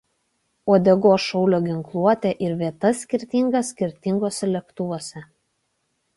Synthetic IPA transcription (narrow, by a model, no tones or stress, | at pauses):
oːd̪ʲɛɡoːʃɔʊlʲoːɡʲɪŋklˠuɔt̪ʲɛʔɪɾʋʲiɛt̪ɐsʲkʲɪɾʲt̪ʲɪŋɡɐsʲːkʲɪɾʲt̪ʲɪŋɡoːsʲɛlʲɛkt̪ʊʋoːsʲɛ